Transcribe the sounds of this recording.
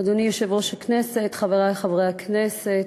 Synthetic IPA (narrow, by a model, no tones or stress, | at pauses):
ad̪onijoʃe̞vʁo̞ʃakne̞se̞t̪χaveʁaleχavʁejakneset